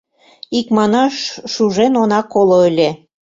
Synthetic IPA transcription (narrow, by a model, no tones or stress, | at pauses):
ikmɑnɑʃʃuʒenonɑkoloəlʲe